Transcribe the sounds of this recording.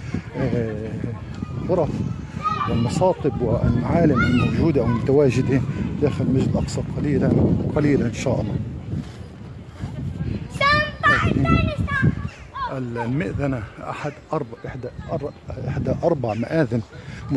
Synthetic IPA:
lɣʊɾˤɑf | wɪlmɑsɑːt̪ˤɨbwɪlmaʕaːlɪmɪlmawʒuːd̪iʔawmʊt̪awaːʒɪd̪id̪aːxɪlmaʒɪd̪ʔɑqsˤɑt̪ˤqɑliːlaqɑliːlaʔɪnʃa̰ːʔɑlˤːɑ | jaʕni | ʔɪllmɪʔðanaʔa̰ħad̪ʔɑɾˤbʔɪħd̪aʔɑɾˤʔɪ̰ħd̪aʔɑɾˤbaʕmaʔaːðɪnm

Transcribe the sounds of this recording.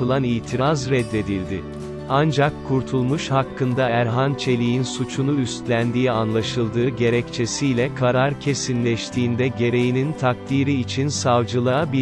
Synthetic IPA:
ɯlˠanijt̪ʰiɾazɾɛd̪ːe̞d̪ilʲd̪ɪ | and͡ʒakʰːuɾt̪ʰulˠmuʃhakʰːɯnd̪aæɾɦant͡ʃʰe̞lʲijinsut͡ʃʰunuyst̪lʲænd̪ijianlˠaʃɯlˠd̪ɯːɟe̞ɾɛct͡ʃʰe̞sijlʲɛkʰaɾaɾcʰe̞sinlʲɛʃt̪ʰiːnd̪ɛɟe̞ɾe̞jinint̪ʰak̚t̪iɾiːt͡ʃʰinsavd͡ʒɯlˠabi

